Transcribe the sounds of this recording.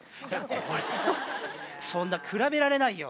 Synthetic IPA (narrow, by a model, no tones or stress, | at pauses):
koɾe | sõ̞nːakʰɯ̟ɾabe̞ɾaɾe̞naijo